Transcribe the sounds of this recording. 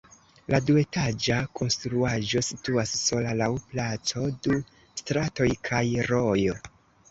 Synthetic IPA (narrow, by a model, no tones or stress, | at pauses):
ladue̞tad͡ʒakʰo̞nstɾuaʒo̞situasːo̞lalawplat͡so̞du | stɾato̞jkʰajɾo̞jo